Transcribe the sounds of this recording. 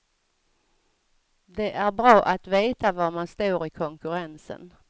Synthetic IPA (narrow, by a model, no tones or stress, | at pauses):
d̪ɛʔæɾbɾɑːʔat̪veːt̪avaɾmanst̪uːɾɪkʰɔŋkɵɾɛnsə̰n